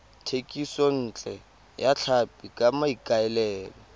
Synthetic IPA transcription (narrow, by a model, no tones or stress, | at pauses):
tʰekʼisɔn̩ːt͡ɬʼɛ | jaɬʰapʼikʼamaikʼaɛlɛːlɔ